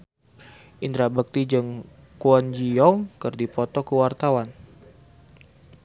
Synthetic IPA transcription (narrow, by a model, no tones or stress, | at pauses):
ʔind̪ɾabək̚t̪id͡ʒɨŋ | kuand͡ʒiɔŋkərdipɔt̪ɔkəwart̪awan